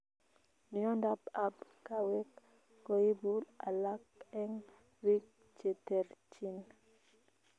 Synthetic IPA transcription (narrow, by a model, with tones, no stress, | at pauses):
n˨ɔ˦nda˦ba˦bka˦wɛ˦k | ko˨i˦bu˦la̰˨la˦kɛ˦ŋ | ɾi˦k̚ | t͡ʃɛ˨tɛ˨ɾt͡ʃi˦n